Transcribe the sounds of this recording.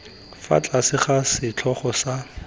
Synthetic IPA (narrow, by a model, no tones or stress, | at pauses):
fa̰t͡ɬʼasɪχasɪt͡ɬʰɔχɔsa